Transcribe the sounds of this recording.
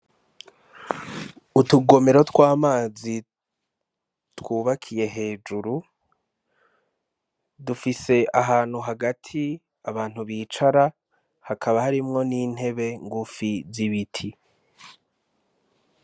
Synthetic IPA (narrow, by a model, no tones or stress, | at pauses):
utuɡo̞me̞ɾo̞twaːmaːzi | twuːβakʰije̞ɦe̞ːd͡ʒuɾu | dufise̞ʔaɦaːn̥huɦaɡatʰi | aβaːn̥huβiːt͡ʃaɾa | hakʰaβahaɾimŋo̞niːn̥he̞βe̞ŋɡufiziβitʰi